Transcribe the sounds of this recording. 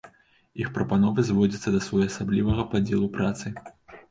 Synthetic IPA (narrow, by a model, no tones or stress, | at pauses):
ixpɾɐpanɔvɨzvɔd͡zʲɐt̪sːɐd̪ɐsvɔjɐsablʲivɐɣɐpad͡zʲɛlˠupɾat̪sɨ